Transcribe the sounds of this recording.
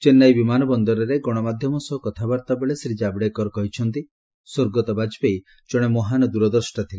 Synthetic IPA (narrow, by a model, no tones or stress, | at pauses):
t͡ʃenːajbimanɔbɔnd̪ɔɾɔɾeɡɔɽ̃ɔmad̪ʱjɔmɔsɔɦːkɔt̪ʰabaɾt̪abeɭesɾid͡ʒabɽekɔɾɔkɔɦit͡ʃʰɔnt̪i | soɾɡɔt̪ɔbad͡ʒpej | d͡ʒɔɽ̃emɔɦanɔd̪uɾɔd̪ɔɾsʈat̪ʰile